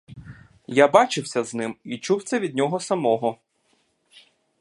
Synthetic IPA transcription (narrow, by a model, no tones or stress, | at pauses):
jabɑt͡ʃɪwsʲɐznɪmit͡ʃuwt̪sɛʋʲid̪̚ʲnʲɔɦɔsɐmɔɦɔ